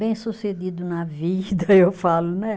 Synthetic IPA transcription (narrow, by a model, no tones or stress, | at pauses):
bẽj̃sused̪id̪ʊnɐvid̪ɐewfalʊnɛ